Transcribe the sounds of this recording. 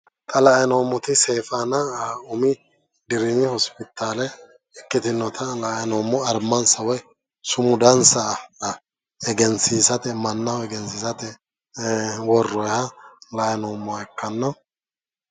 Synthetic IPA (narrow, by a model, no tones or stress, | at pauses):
t̪ʼɐlɐɛnoːmːʊt̪ɪseːfanɐʊmɪ | d̪ɪɾɪmɪhɔspɪt̪ːaːlɛ | ɛkːɪt̪ɪnːɔt̪ʰɐlɐɛnoːmːɔɐɾmɐnsɐwɔj | sʊmʊd̪ɐnsɐ | ɛɡɛnsiːsɐt̪ɛmɐnːɐwɛɡɛnsiːsɐt̪ɛ | wɔrːɔjhɐlɐɛnoːmːʊaɛkːɐnːɐ